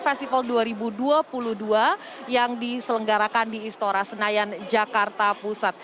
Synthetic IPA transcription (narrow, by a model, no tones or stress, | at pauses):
fɛst̪ifalduaɾibuduapuluhdua | jaŋdisələŋɡaɾakandiːst̪oɾasənajand͡ʒakart̪apusat̪̚